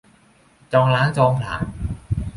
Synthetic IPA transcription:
t͡ɕɔː˧ŋlaː˦˥ŋt͡ɕɔː˧ŋpʰla̰ː˨˩˦n

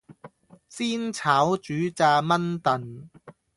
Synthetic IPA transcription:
siː˥nt͡sʰaː˨˥wt͡ʃyː˨˥t͡saː˧mɐ˥nt̪ɐ˨n

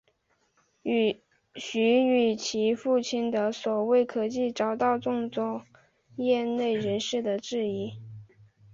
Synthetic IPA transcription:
ɕy˧˥y˨˩t͡ɕʰi˧˥fu˥˧t͡ɕʰi˥˩nd̪ə˨swɔ˨˩we˥˩ɪkʰɤ˧˩t͡ɕi˥˩ʈ͡ʂɑ˨˩ʊt̪ɑ˥˧ʊʈ͡ʂʊ˥˧ŋt͡swɔ˥˩ | jɛ˥˧ne˥˩ɪɻə˧˥nʂɻ̩˥˩d̪ə˩ʈ͡ʂɻ̩˥˩i˧˥

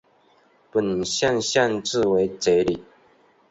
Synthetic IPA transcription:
pə˨˩n˨ɕja˥˧nɕja˥˧nt͡s̩˥˨we˨˧˦ɪt͡se˨˦li˨˩

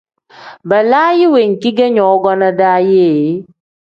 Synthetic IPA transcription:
bɛ˨laː˦ji˦we˨ŋ̩˨ki˦ɡɛ˦ɲɔ̃˨˦ɡɔ˦na˦daː˦jeː˦˨˦

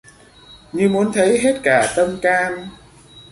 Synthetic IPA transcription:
ɲɨ˧mu˨˦ənt̪ʰə˨˦jɦe˦˥t̚kaː˧˩t̪ə˧mkaː˧n

